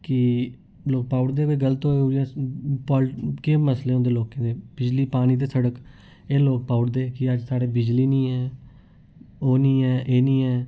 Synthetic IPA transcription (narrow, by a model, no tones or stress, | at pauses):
kɪ | loːk̚paːʊɽd̪eːkoːɡəlt̪ɦoːeoːijãpɔːlkeməsleːõːnd̪eːloːkẽːd̪eːb̥ɪd͡ʒliːpaːɽ̃iːt̪̬eːsəɽək | eːloːk̚paːʊɽd̪eːkɪəd͡ʒsaːɽeːbɪd͡ʒliːnĩːɛː | oːnĩːɛːʔeːnĩːɛː